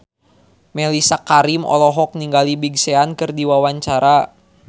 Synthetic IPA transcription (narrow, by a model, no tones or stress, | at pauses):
mɛlisakaɾimɔ̰lɔɦɔk̚niŋɡalibiɡsɛankɨrdiwawaɲt͡ʃaɾa